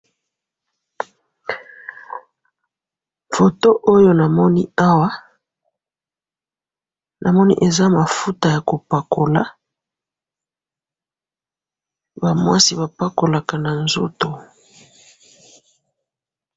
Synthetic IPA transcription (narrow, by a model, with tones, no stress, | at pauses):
fo˨to˦ʔo˦jo˦na˨mɔ˦ni˦a˦wa˦ | nʔa˨mɔ˦nḭ˦ʔe˨za˦ma˨fu˦ta˨ja˨ko˨pa˨kʰo˨la̰˦ | ba˨mwa˦si˦ba˨pa˦ko˨la˨ka˨na˨nzo̰˦to˨